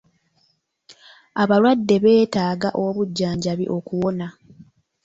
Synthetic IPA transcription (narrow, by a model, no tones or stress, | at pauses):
aβaɾwadːe̞βe̞ːtaːɡaʔo̞βuɟːaːɲɟaβiʔo̞kuwo̞na